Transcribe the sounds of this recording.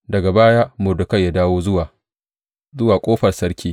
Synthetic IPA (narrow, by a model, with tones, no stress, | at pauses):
dɐ˨ɡa˨baː˦jaː˦mʊ˨dʊ˨kɐ˦˨ja˦daː˦woː˦zʊ˦wa˨ | zʊ˦waː˨kʷʼoː˦ɸɐ˨rsɐ˦rkʲiː˦